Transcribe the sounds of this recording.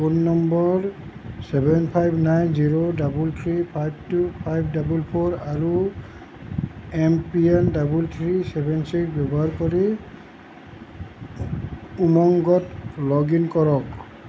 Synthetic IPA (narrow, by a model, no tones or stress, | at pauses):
unːɔmbɔɹ | sɛbɛnpʰajbnajnziɹodabult̪ʰɹipʰajb̚ʱtupʰajb̚ʱdabulpʰɔɹaɹu | ɛmpiɛndabult̪ʰɹisɛbɛnsikbjɔbɔɦaɹkɔɹi | umɔŋɡɔtlɔɡinkɔɹɔk̚